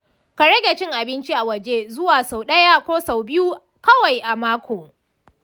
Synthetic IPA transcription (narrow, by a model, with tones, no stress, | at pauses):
ka˨ɽɐ˦ɡʲe˨t͡ʃɪ˦ŋʔa˨bɪ˦nt͡ʃi˦ʔa˨wɐ˨d͡ʒeː˦zʊ˦waː˨sa˨wɗɐ˦ja˦kʷoː˦sa˨wbɪ˦ju˦ | kɐ˦wa˨jʔa˨maː˦kʷʰoː˨